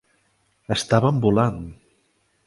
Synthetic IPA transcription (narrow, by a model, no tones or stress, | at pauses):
əst̪aβəmbulan